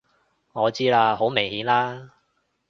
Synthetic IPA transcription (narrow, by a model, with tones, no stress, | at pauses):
ŋɔː˨˧t͡siː˥laː˧ho˨˥wmɪ˨˩ŋhiː˨˥nlaː˥